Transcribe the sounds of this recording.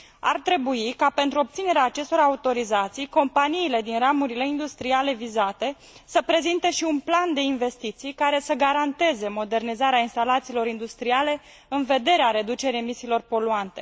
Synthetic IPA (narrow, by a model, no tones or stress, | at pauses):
a̰rt̪ɾe̞buikape̞nt̪ɾuo̞p̚t̪sine̞ɾeaːt͡ʃe̞st̪o̞ɾaut̪o̞ɾizat̪sijko̞mpaniːle̞d̪inramuɾile̞ind̪ust̪ɾiale̞vizat̪e̞ | səpɾe̞zint̪e̞ʃiunpland̪e̞inve̞st̪it̪sijkaɾe̞səɡaɾant̪e̞ze̞mo̞d̪e̞rnizaɾeainst̪alat̪siːlo̞ɾind̪ust̪ɾiale̞ | ɨnve̞d̪e̞ɾeaɾe̞d̪ut͡ʃe̞ɾejemisiːlo̞rpo̞luant̪e̞